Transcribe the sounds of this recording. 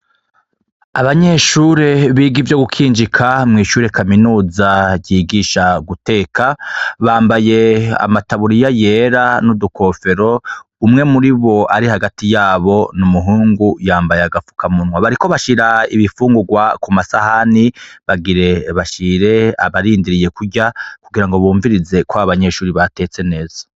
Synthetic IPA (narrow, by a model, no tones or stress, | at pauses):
aβaɲeʃuɾe̞βiːɡivjo̞ɡukʰiːnd͡ʒikʰamŋiːʃuːɾe̞kʰaminuːzaɟiɡiʃaɡute̞ːkʰaβaːmbaje̞a̰mataβuɾijajeɾanudukʰo̞fe̞ɾo̞ | umŋe̞muɾiβo̞ʔaɾihaɡatijaːβo̞numuɦuːŋɡujaːmbajaɡafu̥kʰamunwaβaɾiko̞βaʃiɾaiβifuːŋɡuɡwakumasahaniβaɡiɾe̞βaʃiɾe̞a̰βaɾiːndiɾije̞kuɟakuɡiɾaŋɡo̞βuːɱviɾize̞kwaβaβaɲe̞ʃuːɾiβate̞ːt͡se̞ne̞ːzḁ